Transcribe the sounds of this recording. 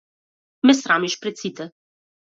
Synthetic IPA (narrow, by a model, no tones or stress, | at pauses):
mɛsɾamiʃpɾɛt̪sit̪ɛ